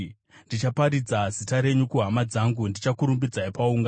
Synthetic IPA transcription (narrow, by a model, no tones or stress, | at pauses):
ndit͡ʃapaɾid͡zazitaɾe̞ɲukuɦamad͡zaŋɡundit͡ʃakuɾumbid͡zaipauŋɡa